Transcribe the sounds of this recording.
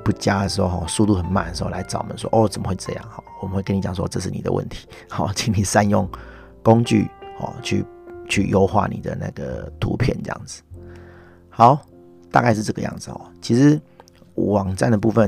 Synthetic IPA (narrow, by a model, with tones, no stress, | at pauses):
pu˧˩t͡ɕja˦˥d̪ə˨ʂɻ̩˧˥xo˥˧ʊxɔ˨˩su˥˧t̪u˥˩xə˨˩nma˨˩nd̪ə˩ʂɻ̩˧˥o˥˨la˧˥ɪʈ͡ʂɑ˨˩ʊ˨mə̰˦nʂwɔ̰˦ʔɔ˥˩t͡sə˨˩mə˦xwe˥˧ɪʈ͡ʂɤ̰˥˧jɑ̰˥˩ŋxɔ˨˩wɔ˨mə˨˦nwe˥˩kə˥ni˨˩t͡ɕɑ˨˩ŋs̬wɔ̰˦˧ʈ͡ʂɤ˥˧ʂ̬ɻ̩˥˩ni˨˩d̪ə̰˧wʔə̰˥˩nt̪ʰi̥˨˥xɔ˩t͡ɕʰi˦˥ŋni˨˩sa˦˥njo˥˨˩ŋ | ko˦ŋt͡ɕy̰˥˩xɔ̰˨˩t͡ɕʰy̰˥˩t͡ɕʰy̰˥˧jo˥˦ʊxwa̰˥˩nḭ˨˩d̪ə̰˦na̰˥˩ɡ̥ə̰˩t̪ʰṵ˧˥pʰjɛ̰˥˩nʈ͡ʂə̰˥jɑ̰˥˩ŋd͡zɹ̩̥˨˩ | xa˨˦ʊ | t̪a˥˧ka˥˧ɪʂ̬ɻ̩˥˩ʈ͡ʂɤ˥˩ɡə˨˧jɑ̰˥˩ŋd͡zɹ̩˨˩xɔ̰˨˩t͡ɕʰi˧˥ʂɻ̩˧˦ | wɑ˨˩ŋʈ͡ʂa˥˩nd̪ə˩pu˥˧fə˨